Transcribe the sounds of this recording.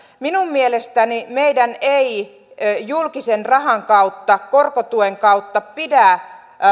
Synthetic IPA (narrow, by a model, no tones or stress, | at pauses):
minummielest̪ænimeidænei | julkisenrɑhɑŋkɑut̪ːɑkorkot̪ueŋkɑut̪ːɑpidæ